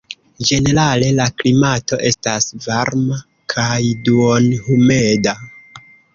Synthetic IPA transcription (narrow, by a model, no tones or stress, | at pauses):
d͡ʒe̞ne̞ɾale̞laklimato̞ʔe̞stasvaɾma | kʰajduonhume̞da